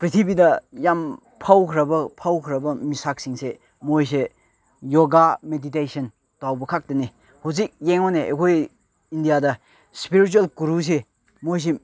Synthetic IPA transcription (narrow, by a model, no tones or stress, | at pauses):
pɾitʰibidɐjam | pʰawkʰɾɐbɐpʰawkʰɾɐbɐmisak̚siŋse | mojs̬e | joɡameditejsʰɐn | tawbɐkʰak̚tɐne | huzik̚jeŋɔneʔḛkʰoj | indijadɐ | spiɾit͡ʃuelkuɾus̬e | mojs̬e